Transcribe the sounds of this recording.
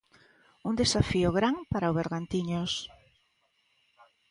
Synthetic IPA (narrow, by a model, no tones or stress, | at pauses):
und̪esafiʊɣɾaŋpaɾaoβeɾɣant̪iɲos